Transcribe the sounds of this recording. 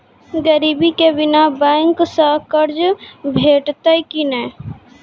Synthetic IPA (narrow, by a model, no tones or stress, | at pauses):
ɡəɾiːbikebɪnabɛ̃ŋksəkəɾd͡ʒbʱeːʈt̪əkinɛː